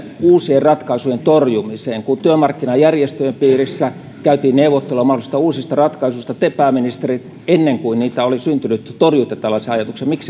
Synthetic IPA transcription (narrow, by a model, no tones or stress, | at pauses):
uːsierrɑt̪kɑisujent̪orjumiseːŋkunt̪yømɑrkːinɑjærjest̪øjempiːrisːæ | kæyt̪iːnneuʋot̪ːelːomɑholist̪ɑuːsist̪ɑrɑt̪kɑisust̪ɑt̪epæːminist̪erit̪ | enːeŋkuinniːt̪æolisynt̪ynyt̪t̪orjuit̪ɑt̪ælːæseɑjɑt̪uksemiks